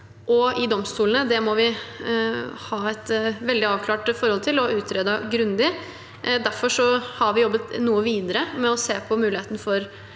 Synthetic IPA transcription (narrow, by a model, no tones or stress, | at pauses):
ʔɔɪd̪ɔmst̪uːln̩əd̪ɛmɔʋɪ | hɑːɛt̪ʋɛld̪ɪɑːʋkʰlɑːʈfɔɾhɔlt̪ʰɪlɔʉːt̪ʰɾeːd̪ɑɡɾʉnd̪ɪ | d̪æɾfɔʂɔhɑɾʋɪjɔbːət̪nuːəʋiːd̪əɾəmɛɔseːpʰɔmʉːlɪeːt̪ən̩əfɔɾ